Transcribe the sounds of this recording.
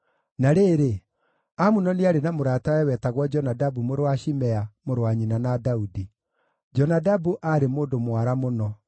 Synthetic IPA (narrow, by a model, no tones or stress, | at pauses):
naɾeɾe | amunɔneaɾenamoɾataɛwɛtaɣwɔd͡ʒɔnadabumoɾowaʃimɛamoɾwaɲinanadaudi | d͡ʒɔnadabuʔaɾemoːndomwaɾamonɔ